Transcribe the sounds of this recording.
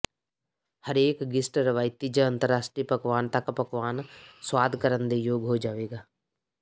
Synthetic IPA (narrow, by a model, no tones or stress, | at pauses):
həɾeːkɡɪsʈɾɐʋaːjt̪id͡ʒəə̃nt̪əɾːaːsʈɾipəɡʋaːnt̪akpɐkʋaːnswaːd̪ʱkəɾənd̪ejoːɡɦod͡ʒaːʋeːɡaː